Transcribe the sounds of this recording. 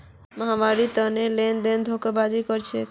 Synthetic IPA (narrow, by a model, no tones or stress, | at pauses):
məɦamaɾit̪ənelend̪end̪ʱokəbad͡ʒikəɾt͡ʃʰɛ